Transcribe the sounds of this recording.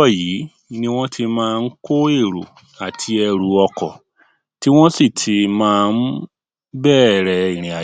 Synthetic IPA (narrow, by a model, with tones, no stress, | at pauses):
ɔ˦˨ji˨˦ | nĩ˦w̃ɔ̃˦tʰi˧mãː˧n̩˦ko˦e˦˨ɾo˨ | a˨tʰi˧ɛ˧ɾu˨˦ɔ˧kɔ˨ | ti˦w̃ɔ̃˦si˦˨tʰi˧mãː˦˧n̩˦ | bɛː˦˨ɾɛ˧i˨ɾ̃ĩ˨a˨